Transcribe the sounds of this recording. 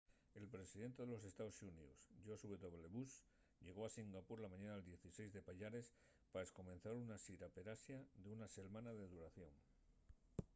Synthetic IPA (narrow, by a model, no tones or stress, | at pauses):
e̞lpɾesiðe̞nt̪e̞ðelo̞s̬e̞st̪aosuniusʝosuβeðo̞βle̞βus | ʎe̞ɣ̞o̞asiŋɡapuɾlamãɲanaeld̪je̞θise̞jzðe̞paʎaɾe̞s | paesko̞mẽ̞n̟θaɾunasiɾape̞ɾasjaðeunase̞lmãnaðeðuɾaθjo̞ŋ